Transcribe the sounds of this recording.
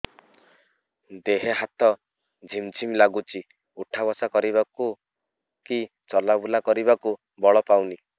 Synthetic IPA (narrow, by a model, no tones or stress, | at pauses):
d̪eɦeɦat̪ɔ | d͡ʒʱimd͡ʒʱimlaɡut͡ʃʰi | uʈʰabɔsakɔɾibaku | ki | t͡ʃɔlabulakɔɾibaku | bɔɭɔpawni